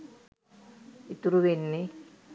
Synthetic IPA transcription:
it̪uɾuʋenːi

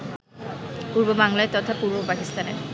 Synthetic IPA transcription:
puɾbobaŋlaet̪ɔt̪ʰapuɾbopakist̪anḛɾ

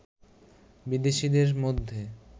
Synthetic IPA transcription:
bid̪eʃid̪eɾmod̪ʱːe

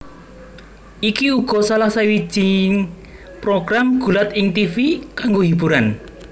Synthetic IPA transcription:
ʔikiuɡ̥ɔ̤salasawi̥ʒ̥iŋ | pɾoɡ̥ɾamɡ̥ṳlat̪ɪŋt̪ifikaŋɡoɦib̥uɾan

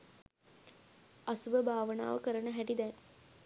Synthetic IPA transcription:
asubəbaːʋəna̰ːʋəkəɾənəɦæʈid̪æn

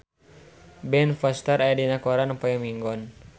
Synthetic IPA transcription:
bɛnfɔst̪əɾajadinakɔɾanupajamiŋɡɔn

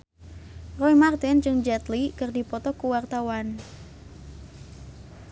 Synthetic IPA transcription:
rɔijmart̪ɪnd͡ʒɨŋd͡ʒɛt̪likɨrdipɔt̪ɔkuwart̪awan

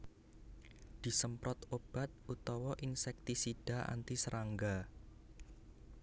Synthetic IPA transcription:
d̪̥i̤səmpɾɔt̪ob̥a̤t̪̚ut̪ɔwɔʔinsɛk̚t̪isid̥a̤ʔa̰nt̪isəɾʔaŋɡa

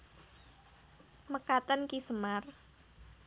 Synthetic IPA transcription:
məkat̪ənkisəmar

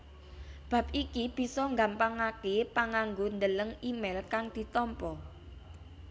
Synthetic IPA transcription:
b̥ä̤p̚ikib̥i̤sɔŋɡa̤mpaŋakepaŋaŋɡond̪ələŋimɛlkaŋd̪̥i̤t̪ɔmpɔ

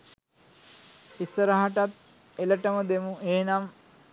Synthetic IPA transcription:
isəɾaɦaʈat̪̚ | eləʈəməd̪emueːnam

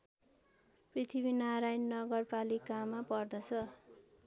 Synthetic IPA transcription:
prit̪ʰibinaɾajnːʌɡʌrpalikamapʌrd̪ʌt͡sʰʌ

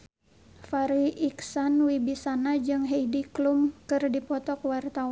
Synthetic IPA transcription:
faɾiʔiksanwibisanad͡ʒɨŋɦejdiklumkɨrdipɔt̪ɔkwart̪awa

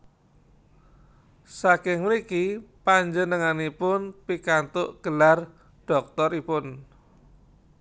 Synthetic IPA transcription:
sakɪŋmlikipaɲd͡ʒənəŋanipʊnpikant̪ʊʔɡ̥ə̤lar | ɖ̥ɔk̚t̪ɔɾipʊn

